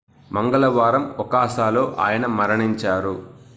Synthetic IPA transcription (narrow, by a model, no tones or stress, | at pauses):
mɐŋɡɐlɐʋaːɾɐmʋɐkaːʃaːlo̞ːʔa̰ːjɐnɐmɐɾɐɳiɲt͡ʃaːɾu